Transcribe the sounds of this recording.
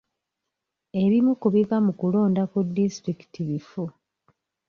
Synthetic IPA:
e̞ɾimukuβivamukulo̞ːndakudːistɾiki̥tiβifu

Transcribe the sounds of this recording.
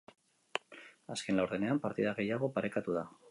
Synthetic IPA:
aske̞nlawɾðe̞ne̞ampaɾt̪iðaɣejaɣ̞o̞paɾe̞kat̪uð̞a

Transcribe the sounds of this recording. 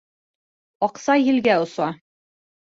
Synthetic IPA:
ɒqsɑjɘ̆lɡæŏsɑ

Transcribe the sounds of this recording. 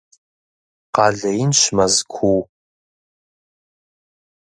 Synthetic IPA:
qɑːɮɐjɪnɕmɐzkʷʰuw

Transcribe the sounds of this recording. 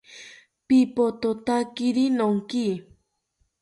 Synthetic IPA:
pipot̪ot̪akiɾinoŋki

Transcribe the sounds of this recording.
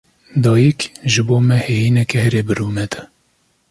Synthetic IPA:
d̪ɑːjikʒɨboːmɛheːjiːnɛkɛhɛɾeːbɨɾuːnɛd̪ɛ

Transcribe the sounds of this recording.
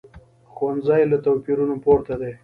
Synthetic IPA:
xwand̪zɑjlat̪awpiɾunopoɾt̪ad̪e

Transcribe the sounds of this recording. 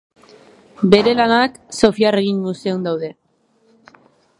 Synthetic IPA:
be̞ɾe̞lanak | so̞fiare̞ɣiŋɡuseund̪awðe̞

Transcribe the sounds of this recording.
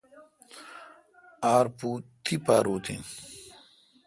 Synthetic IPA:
aːɾpuːt̪ʰipaːɾuːt̪ʰḭn

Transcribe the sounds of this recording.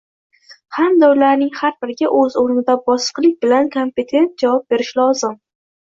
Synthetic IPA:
hamd̪aʊlaɾnɪŋhaɾbɪɾɡʲaʔɵzoɾnɪd̪abɒsɨ̥qlˠɪk̚ʲbɪlankʰompe̞t̪ʰe̞nt̪̚d͡ʒavɒp̚be̞ɾɪʃlɒzɪm

